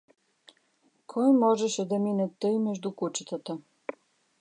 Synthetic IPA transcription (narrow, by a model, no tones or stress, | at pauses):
kʰɔjmɔʒɛʃɛd̪ɐminɛt̪ːɤjmɛʒd̪ukut͡ʃɛ̥t̪ət̪a